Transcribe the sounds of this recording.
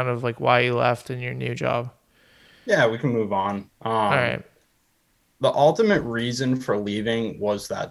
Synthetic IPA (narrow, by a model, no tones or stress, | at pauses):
ɪ̃ndʌvlaɪkwaɪjɨlɛ̰ftɨ̃njə˞njʉd͡ʒɑ̰b̥ | jæwikʰɨ̃muvn̩ʔʌɹaɪt̚ | ðiʔʌlˠtɨmɨt̚ɹizɨ̃nfə˞livɪ̃ŋwʌzðə̰t̚